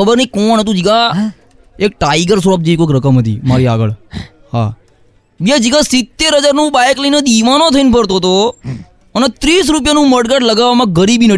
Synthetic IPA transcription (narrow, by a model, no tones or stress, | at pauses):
əbəɾnəikoɳɦət̪̬ũd͡ʒiɡa | ek̚ʈaɪɡəɾsɾap̚d͡ʒiikokɾəkəmɦət̪ḭːmaɾia̰ɡə̰ɭ | ha̰ | bed͡ʒiɡasɪt̪ːeɾɦəd͡ʒaɾnũbajkləined̪iʋanot̪ʰəinpəɾt̪oɦt̪o | ənet̪ɾiːs̬ɾup̬janũməɽɡaɽləɡaʋamãɡəɾibinə